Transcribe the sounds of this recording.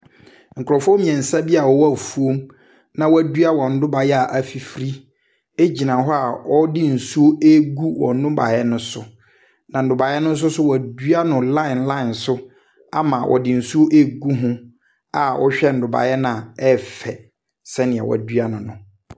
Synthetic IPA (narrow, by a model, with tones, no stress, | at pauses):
ŋ̩˨kʊ˨ɾɔ˨fɔ˦mĩ˨ɛ̃˨n̩˨sa˦bi˦a˨wɔ˨wɔ˦a˨fu˦o˦m | nã˨wɔ˦æ˨dɥa˦˨wɔ̃˨n̩˦dʊ˦ba˨jɛ˦a˨ʔa˨fi˨fɾi˦ | e˦d͡ʑi˨nã˨ɦɔ˦a˨wɔ˦dɪ˦n̩˨su˦o˦e˦ɡu˦wɔ̰̃˨n˦dʊ̃˦ba̰˨jɛ˦nʊ̃˦sʊ˦ | nã˨n̩˨dʊ˨ba˨jɛ˦nʊ̃˦n̩˦s̬ʊ˦sʊ˦wɔ˨æ˨dɥa˦nʊ̃˨lã˦ɪ̃˨nlã˦ɪ̃˨nsʊ˦ | a̰˨mã˨wʔɔ̰˨dɪ˨n̩˨su˦o˦ʔe˦ɡu˦ɦʊ̃˦ | a˨wʔɔ̰˦ɕᶣɛ˦n̩˨dʊ˨ba̰˨jɛ˦nã˨ɛ˦fɛ˨ | sɛ˦nɪ̃˨ɛ̰˨w̰a̰˨dɥa˦nʊ̃˨nʊ̃˨